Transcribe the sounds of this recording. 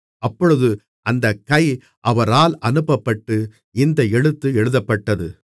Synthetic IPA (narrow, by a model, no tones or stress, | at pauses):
ɐpːɔɻɯðɯ | ʔɐnd̪ɐkːɐɪ | ʔɐʋɐɾaːlɐnɯpːɐpːɐʈːɯ | ɪnd̪ɐɛɻɯt̪ːɯɛɻɯðɐpːɐʈːɐðɯ